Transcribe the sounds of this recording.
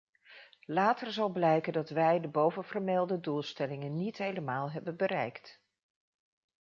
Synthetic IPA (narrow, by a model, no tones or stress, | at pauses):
laːtərzɑlˠblɛjkəndɑtʋɛjdəbowvənvərmɛlˠdədulˠstɛlɪŋənːitɦejləmaːlˠɦɛbənbəɾɛjkt